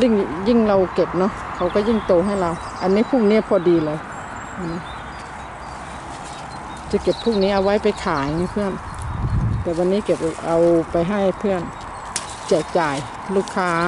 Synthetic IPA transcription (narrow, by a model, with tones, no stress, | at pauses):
li˧˥˩ŋji˧˥˩ŋla˧wke˨˩p̚nɔ˧˥˨ | kʰa˨˦wka˧˩ji˧˥˩ŋt̪oː˧˩ɦa˥˨jlaː˧w | ʔa˧˨nːiː˦˧˥pʰuː˥˩ŋ̚niː˦˥pʰɔː˧diː˨˧lɤː˧˦j | ʔa˧˩niː˧˥ | t͡ɕa˨˧˦ke˨˩pʰːuː˥˩ŋ̚niː˦˥˨ʔa˧wa˦˥jpa˨jkʰaː˨˦jna˧˩jpʰɯ˥˩ən | t̪ɛː˨˩wa˧nːiː˦˥˨ke˨˩p̚ʔa˧wpa˨jɦa˧˥˩jpʰɯ˥˩˨ən | t͡ɕɛː˨˩k̚t͡ɕaː˨˩j | luː˧˩kʰːaː˧˦˥